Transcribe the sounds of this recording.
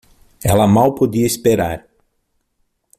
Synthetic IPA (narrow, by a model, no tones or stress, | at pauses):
ɛlɐmawpod̪iɐispeɾa̰ɾ